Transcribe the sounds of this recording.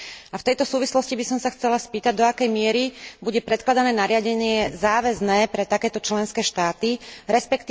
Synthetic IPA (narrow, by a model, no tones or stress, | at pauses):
aft̪ɛjt̪ɔsuːʋislɔscibisɔmsaxt͡sɛlaspiːt̪aɟd̪ɔakɛjmɪɛɾibuɟɛpɾɛt̪̚klad̪anɛːnaɾɪaɟɛɲɪɛzaːʋɛznɛːpɾɛt̪akɛːt̪ɔt͡ʃlɛnskɛːʃt̪aːt̪iɾɛspɛkt̪i